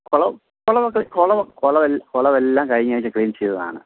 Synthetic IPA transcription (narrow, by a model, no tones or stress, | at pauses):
kɔɭɐ | koɭɐʋɐkːɐɭikoɭɐʋɐkoɭɐʋelːkoɭɐʋelːaːmkɐɻiŋːaːjt͡ɕːɨkɭiːnt͡ɕejt̪ːɐða̰ːɳɨ̰